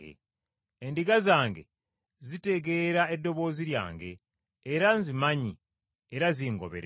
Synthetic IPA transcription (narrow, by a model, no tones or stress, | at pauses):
ḛ | endiɡazaːŋɡe̞̰ | zite̞ɡe̞ːɾae̞dːo̞βo̞ːziɾja̰ːŋɡe̞̰ː | ɾanzimaɲi | eɾaziːŋɡo̞̰βḛɾ